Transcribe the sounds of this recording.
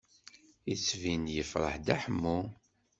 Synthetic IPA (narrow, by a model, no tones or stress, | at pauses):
it͡sːvinjəfɾˤə̰ħd̪æħəmːu